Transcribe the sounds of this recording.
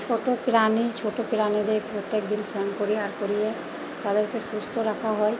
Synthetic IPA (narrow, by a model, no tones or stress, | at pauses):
t͡ʃʰoʈopiɾanit͡ʃʰoʈopiɾanid̪eɾkepɾot̪ːjek̚d̪insɛnkoɾiaɾkoɾie | t̪ad̪eɾkesust̪ʰoɾakʰaɦɔe